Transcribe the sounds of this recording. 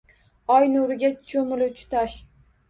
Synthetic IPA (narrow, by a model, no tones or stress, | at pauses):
ɒjnʊɾɪɡʲat͡ʃʰomɪlɪt͡ʃʰʊ̥t̪aʃ